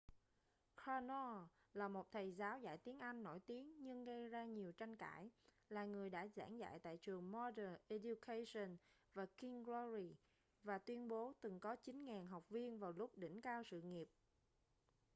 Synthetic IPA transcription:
kɹa˧nɔ˧ | laː˨˩mo˨˩t̚t̪ʰə˨˩jzaː˨˦wza̰ː˧˨jt̪i˨˦ənʔa˧jŋ̟ːo̰˧˩jt̪i˨˦əŋɲɨ˧ŋɣə˧jzaː˧ɲi˨˩əwt͡ɕa˧jŋka̰ː˧˩j | laː˨˩ŋɨ˨˩əjɗa̰ː˧˥za̰ː˧˥ŋza̰ː˧˨jt̪a̰ː˧˨jt͡ɕɨ˨˩əŋmɔ˧ɗəː˨˩nʔe˧ɗju˧kʰa˧sə˧˩nvaː˨˩ki˧ŋɡlɔ˧zi˧˩ | vaː˨˩t̪wi˧ənɓo˨˦t̪ɨ˨˩ŋkɔ˨˦t͡ɕï˨˦ŋŋaː˨˩nɦa˨˩wk͡p̚vi˧ənvaː˨˩wlʊ˦˥k͡p̚ɗï˧˩ŋ̟kaː˧wsɨ̰˧˨ŋi˨˩əp̚

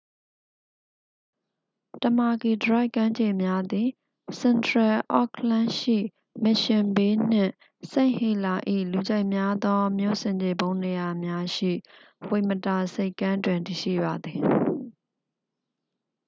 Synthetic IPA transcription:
tə˨ma˨ɡi˨dəɹa˦ɪʔkːã˦ɲd͡ʑe˨mja˦d̪ði˨ | sɛ̃˨ntɹɛ˨ʔɔ̰˦˨kʰlã˦ʃḭ˦˨ | mɪ˨ʃɪ̃˨mbe˦n̥ɪ̰̃˦˨ | sẽ˦˨ɪ̃he˦˨la˨ʔḭ˦˨lu˨d͡ʑa˦ɪʔmja˦d̪ɔ˦mjo̰˦˨sɪ̃˨ɲd͡ʑe˨bõ˦ʊ̃ne˨ja˨mja˦ʃḭ˦˨ | we˨məta˨se˦ɪkːã˦ndwɪ̃˨nti˨ʃḭ˦˨ba˨d̪ði˨

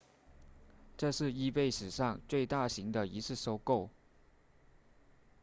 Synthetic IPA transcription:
ʈ͡ʂɤ˥˧ʂɻ̩˥˧i˥pe˥˩ɪʂɻ̩˨˩ʂɑ˥˧ŋt͡swe˥˧ɪt̪a˥˩ɕi˧˥ŋd̪ə˧˨i˧˥t͡sʰɹ̩˥˩ʂo˥ʊko˥˩ʊ

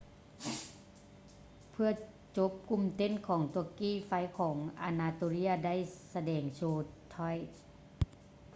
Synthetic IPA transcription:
pʰɯ˧ɐ | t͡ɕo˧˦˥p̚ku˧˥˨mt̪e˧˥˨nkʰɔː˩˦ŋt̪u˧˩kiː˧˥˩fa˧˥jkʰɔː˩˦ŋʔa̰˧naː˧t̪oː˧li˧˥˨ɐda˥˨jsa˧dɛː˨˩ŋsoː˧˩t̪ʰːɔ˧˥˩j

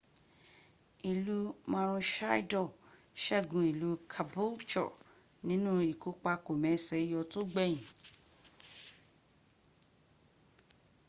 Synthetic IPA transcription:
i˨lu˨˦mã˧ɾ̃ũ˧ʃa˦i˦dɔ˦˨ | ʃɛ˦˨ɡũ˧˦i˨lu˨˦kʰa˧bo˦t͡ʃɔ̰˨ | nĩ˨˦nũ˦i˨ko˨˦k͡pa˧ko˨mɛ̃˨˦˨sɛ˨˦jɔ˧to˦ɡ͡bɛ˦˨jĩ˨

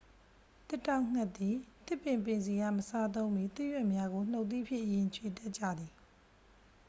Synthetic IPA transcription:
t̪ɪ˦˨tːã˦˨ʊ̃ŋ̥a˦t̪ːi˨t̪ɪ˦˨pːɪ̃˨mpɪ̃˨nzi˨ɡa̰˦˨məsa˦t̪̬õ˦ʊ̃mbi˦˨t̪ɪ˦ʔjwɛ˦˨ʔmja˦ɡo˨n̥o˦ʊʔt̪ḭ˦˨pʰjɪ̰̃˦ʔjɪ̃˨t͡ɕʰwe˨t̪ɛ˦ʔt͡ɕa̰˦˨d̪ði˨

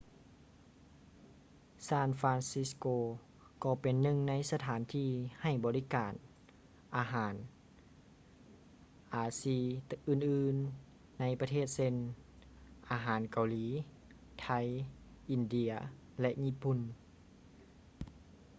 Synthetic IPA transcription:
saː˧˥˩nfaː˧nsi˧˥skoː˧ | kɔː˧˩pe˨nːɯ˧˨ŋna˧˥jsa˧t̪ʰaː˨˦nt̪ʰiː˧ha˧˩jbɔː˨li˧˨kaː˨˩n | ʔaː˨˧ɦaː˩˦n | ʔaː˨˦siː˧˩ʔɯː˧˩˨nʔɯː˧nː | a˧˥jpa˧t̪ʰeː˥˩˨t̪̚se˧˨n | ʔaː˨˧ɦaː˨˦nka˨wliː˨˦ | t̪ʰa˧˩j | ʔi˨˧˨ndi˧ɐ | lɛ˧ʔɲiː˧˥˨pu˧˨n

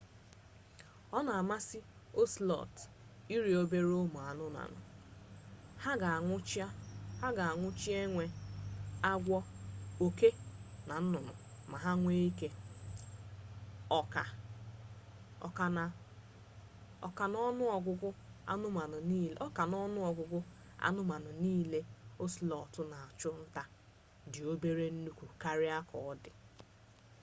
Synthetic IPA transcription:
ɔ˦na˨a˨ma˦si˦ | o˦slɔ̰˨t | i˦ɾi˨o˦be˦ɾo˦mʊ˨a˨nʊ˦na̰˨nʊ̰˨ | ha˦ɡa˨ŋʷʊ˦t͡ʃha˦ɡa˨a˨ŋʷʊ˦t͡ʃi˦e˦ŋʷe˦ | a˦ɡʷɔ˦o˨ke˦na˨n̩˦nʊ˨nʊ̰˨ | ma˨ɦa˦ŋʷe˦i˦ke˦ | ɔ˨ka˨ | ka˨ | ɔ̰˨ka˨nɔ˦nʊ˦ɔ˨ɡʷʊ˦ɡʷʊ˦ | a̰˦nʊ˦ma˨nʊ˨˦ɔ˦ka˨nɔ˦nʊ˦ɔ˨ɡʷʊ˨ɡʷʊ˦ | a̰˦nʊ˦ma˨nʊ˨niː˦le˦o˦si˨lɔ˨ɔ˨tʊ˦na˨a˨t͡ʃʊ˦n̩˦ta˦ | dɪ˨o˦be˦ɾe˦n̩˦nu˦kʷu˨ka˦ɾɪ˦a˦kʰɔ˨ɔ˦dɪ˨

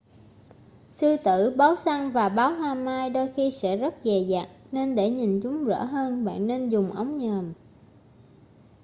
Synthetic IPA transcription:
sɨ˧t̪ɨ̰˧˨ɓaː˨˦wsa˧ŋvaː˨˩ɓaː˨˦whaː˧maː˧jɗoː˧jxi˧sɛ̰˧˥zə˦˥t̚ve˨˩zaː˨k̚ne˧nɗe˧˩ɲi˨˩nt͡ɕʊ˨˦ŋ͡mzə̰ː˧˥ɦəː˧nɓa̰ː˧˨nːe˧nzʊ˨˩ŋ͡mʔə˨˦wŋ͡mɲəː˨˩m

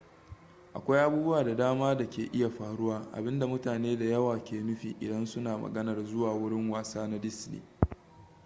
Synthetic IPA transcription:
ʔa˨kʷa˦jʔa˦buː˦bʊ˦waː˨da˨daː˦maː˦da˨kʲeː˨ʔɪ˦ja˨ɸaː˨ɽʊ˦waː˦ʔa̰˨bɪ˦nda˨mʊ˦taː˨neː˦da˨jɐ˦waː˨kʲeː˨nʊ˦ɸḭː˨ʔɪ̰˨dɐ˦nsʊ˦naː˨mɐ̰˨ɡɐ˦nɐ˨rzʊ˦waː˨wʊ˦ɽɪ˦ŋwaː˦˨saː˦na˦dɪ˦snḭː˨

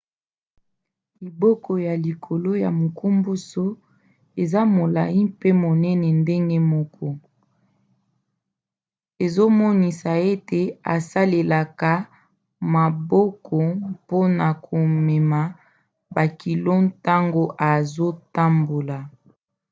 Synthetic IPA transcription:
li˨bɔ˦kɔ˨ja˨li˨kʰo˨lo˦ja˨mo˨ku˦mbu˦so˦ | e˨za˦mo˨la˨i˦pe˦mo˨nɛ˦nɛ˨nde˦ŋɡe˦mɔ˦kʰɔ˦ | e˨zo˦mɔ˦ni˨sa˨e˦te˨a˨sa˦le˨la˨ka˨ | ma˨bɔ˦kʰɔ˨po˦na˨kʰo˨mɛ˨ma˨ | ba˨ki˨lo˦nta˦ŋɡo˦ʔa˨zo˦ta˦mbo˨la˨

